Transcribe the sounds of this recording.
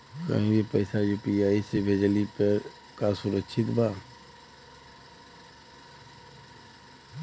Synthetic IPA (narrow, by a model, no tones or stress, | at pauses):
kə̰ɦĩjepəɪsajuːpiaːisebʱed͡ʒəlipəɾ | kasʊɾəkʃʰɪt̪bʱaː